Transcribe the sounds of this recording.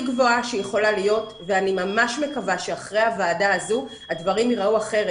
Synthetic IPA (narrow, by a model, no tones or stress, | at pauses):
ɡvo̞aʃejeχo̞lalijo̞t | veanimamaʃme̞kavaʃeaχʁehavaːdaːzu | hadvaʁimiʁauaχe̞ʁe